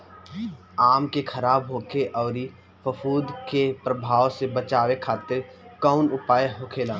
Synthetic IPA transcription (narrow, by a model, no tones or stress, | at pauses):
aːmkekʰəɾaːbɦoːkʰeʔɔːɾi | fəfʰuːd̪kepɾəbʱaːwsebət͡ʃaːwekʰaːt̪eɾkɔːʊnʊpaːjeɦokʰeːlãː